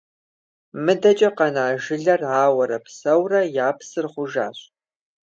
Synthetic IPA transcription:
mɨdɐt͡ʃʼɐqɐnaːʒɪɮɐraːwɐɾɐpsɐwrɐjaːpsɨrχʷʊʒa̰ːɕʼ

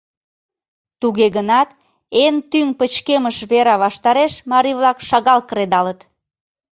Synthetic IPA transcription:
t̪uɣeɣənɑt̪ | ent̪yŋpət͡ɕkeməʃβeɾɑβɑʃt̪ɑɾeʃmɑɾiβlɑkʃɑɣɑlkəɾed̪ɑlət̪

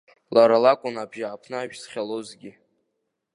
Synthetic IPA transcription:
laɾalakʷʼʊnabʒaʕapʰnɨaʒᶣsχʲalozɡʲi

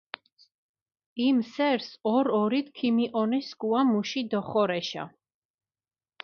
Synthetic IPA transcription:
imsɛɾsɔɾɔɾit̪̚ʰkʰimiʔɔnɛskuamuʃid̪ɔχɔɾɛʃa̰

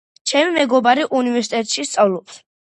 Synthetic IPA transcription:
t͡ʃʰɛmimɛɡɔbaɾiʔunivɛɾsit̪ʼɛt̪ʼʃist̪sʼavlˠɔps

